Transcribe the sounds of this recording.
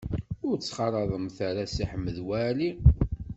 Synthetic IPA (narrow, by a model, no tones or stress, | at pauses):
ʊɾt͡sːχɑɾˤɑðˤəmθaɾasiħəmːəðwæli